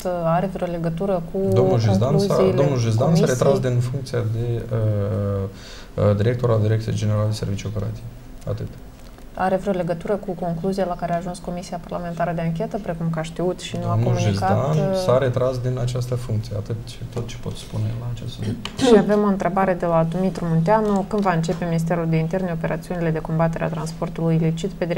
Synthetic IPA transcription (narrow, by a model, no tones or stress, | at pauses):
aɾevɾeo̞le̞ɡət̪uɾəkud̪omnulʒuzd̪ansad̪omnulʒuzd̪ansaɾet̪ɾasd̪infuŋk̚t̪sijad̪e̞ə | d̪iɾekt̪o̞ɾald̪iɾekt̪ijejd͡ʒeneɾaled̪ese̞rvit͡ʃio̞peɾa̰t̪sije | a̰t̪ɨt̪ | aɾe̞vɾeole̞ɡət̪uɾəkuko̞ŋkluzijelakaɾeaːʒunsko̞misiaparlame̞nt̪aɾəd̪eaŋkʲe̞t̪əpɾe̞kumkaʃt̪iut̪ʃinuank̪ouuʒizkaansaɾe̞t̪ɾasd̪inat͡ʃast̪əfuŋk̚t̪sijea̰t̪ɨt̪ʃt̪o̞t̪t͡ʃe̥po̞t̪spunelaːt͡ʃest̪ʃiave̞mo̞ɨnt̪ɾe̞baɾe̞d̪e̞lad̪omit̪ɾumunt̪eanukɨnd̪vaɨnt͡ʃe̞pe̞minist̪e̞ɾuld̪eint̪e̞rneo̞pe̞ɾat̪siunile̞d̪e̞ko̞mbat̪e̞ɾea̰t̪ɾanspo̞rt̪ulujilit͡ʃit̪pe̞d̪i